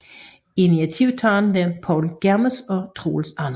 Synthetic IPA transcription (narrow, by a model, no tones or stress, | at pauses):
iniæt͡sʰiʊ̰t͡sʰɑːnʋeɐpʰɒʊlɡ̥æɐməsɒ̽t͡sʰʁo̝̰ːlsɑn